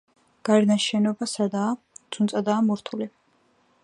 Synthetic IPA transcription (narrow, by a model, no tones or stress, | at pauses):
ɡ̥aɛɾnaʃɛnɔbasad̪aː | d̪z̥unsʼad̪aːmuɾt̪ʰuli